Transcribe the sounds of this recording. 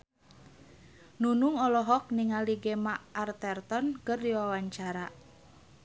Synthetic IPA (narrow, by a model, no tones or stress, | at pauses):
nunuŋɔlɔɦɔk̚niŋaliɡemaʔːrt̪ɛrt̪ɔnkɨrdiwawaɲt͡ʃaɾa